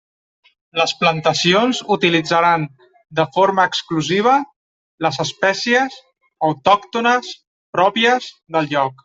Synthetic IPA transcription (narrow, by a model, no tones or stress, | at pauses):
ləsplənt̪əsionzut̪ilid͡zəɾan | d̪əfoɾməːkskluziβ̞ə | ləzəspɛsiəz | əwt̪ɔkt̪unəs | pɾɔpiəz | ðəlˠʎɔk